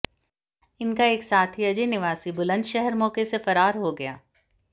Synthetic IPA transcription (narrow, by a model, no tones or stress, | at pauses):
ɪnkaeːksaːt̪ʰiɐd͡ʒenɪʋaːsibʊlə̃nd̪ʃɛɦɛɾmɔːkesefɐɾaːɾɦoɡɐja̰ː